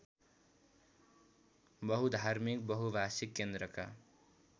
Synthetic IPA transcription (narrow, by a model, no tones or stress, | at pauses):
bʌɦud̪ʱarmik̚bʌɦubʱasikːend̪ɾʌka̰